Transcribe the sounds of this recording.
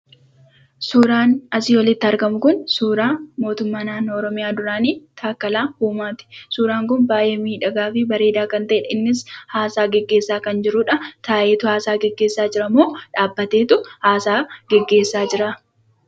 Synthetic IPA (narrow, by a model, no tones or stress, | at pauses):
suːɾaːnɐsiːwɔlɪt̪ːɪɐɾɡɐmʊkʊnsuːɾaːmo̞ːt̪ʊmːaːnaːnːoːɔɾɔmɪjaːd̪ʊɾaːniːt̪ʰaːkːɐlaːhuːmaːt̪ɪ̥suːɾaːŋkʊnbaːjeːmiːᶑɐɡaːfɪbɐɾe̞ːd̪aːkɐnt̪ɐʔɛᶑɐɪnːɪshaːsaːɡɛɡːe̞ːsːaːkɐnd͡ʒɪɾʊᶑɐt̪aːʔe̞ːt̪ʊhaːsaːɡɛɡːe̞ːsːaːd͡ʒɪɾɐmoːᶑaːbːɐt̪e̞ːt̪ʊhaːsaːɡ̥ɛɡːe̞ːsːaːd͡ʒɪɾaː